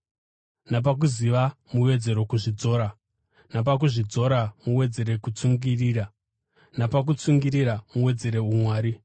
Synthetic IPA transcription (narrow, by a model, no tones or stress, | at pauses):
nap̬ak̬uziʋamuwe̞d͡ze̞ɾo̞kuʐid͡zo̞ːɾa | nap̬ak̬uʐid͡zo̞ɾamuwe̞d͡ze̞ɾe̞kut͡suŋɡiriːɾa | napak̬ut͡suŋɡiɾiɾamuwe̞d͡ze̞ɾe̞umwaːɾi